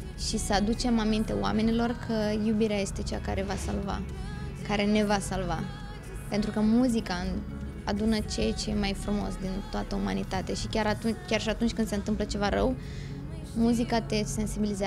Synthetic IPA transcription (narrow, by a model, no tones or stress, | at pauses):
ʃisəad̪ut͡ʃe̞mamint̪e̞wa̰me̞nilo̞rkʰəjubiɾeaje̞st̪e̞t͡ʃea̰ka̰ɾe̞vasalva̰ | kaɾe̞ne̞vasalva | pe̞nt̪ɾukəmuzika | a̰d̪unət͡ʃejt͡ʃe̞majfɾumo̞̰sd̪int̪oat̪əumanit̪at̪e̞ʃikʲaɾat̪ukʲjarʃiat̪unt͡ʃʲkɨnd̪se̞ɨnt̪ɨmplət͡ʃe̞vaɾəw | muzikat̪e̞se̞nsibilize